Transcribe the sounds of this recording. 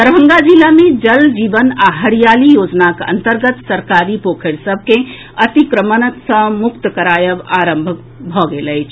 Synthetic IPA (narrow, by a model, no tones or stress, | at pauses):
t̪əɾbʱə̃ŋɡad͡ʒilamed͡ʒəld͡ʒibənaɦəɾijalijoːd͡ʒnakə̰nt̪əɾɡət̪səɾkaɾipokʰeɽsəb̚ʱke | ət̪ikɾəmənət̪sə̃mukt̪əkəɾajəbaɾəmbʱək̚ | bʱɔɡeləjt͡ʃʰ